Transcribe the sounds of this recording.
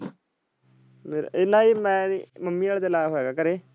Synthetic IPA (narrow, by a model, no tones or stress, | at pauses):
meːɾa̰ɪlaːiːmɛ̃ːməmːiːaːlt̪elaːɦoːɛːɡaːkəɾeː